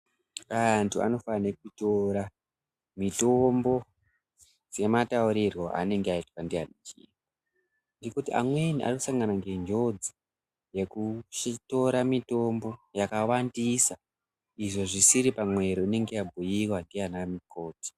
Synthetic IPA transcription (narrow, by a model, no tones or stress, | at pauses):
antʰua̰no̞fanekutoɾa | mito̞mbo̞ | d͡ze̞matauɾirwo̞a̰ne̞ŋɡeaitwandianit͡ʃḭːa | ndikutia̰mweniʔa̰rikusaŋɡanaŋɡe̞nd͡ʒo̞d͡zi | je̞kuito̞ɾamito̞mbo̞jakawandisa | iʐo̞ʐisiɾipamwe̞ɾiine̞ŋɡeabʱujiwandianamiko̞ːti̥